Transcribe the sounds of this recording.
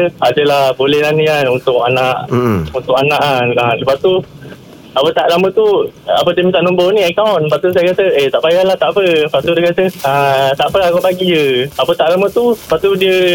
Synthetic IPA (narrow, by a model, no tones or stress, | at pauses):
ad͡ʒəlahbolɛhlanĩkanunt̪ʊk̚anaʔunt̪ʊkanãʔaaləpat̪u | apət̪aʔlamət̪ua̰pət̪imit̪aʔnumbonĩakawnpaʔt̪us̬ajakat̪əet̪aʔpajahlaht̪aʔpəpat̪udahkat̪əat̪aʔpəakanpaɡiəapət̪aʔlamət̪upaʔt̪udiə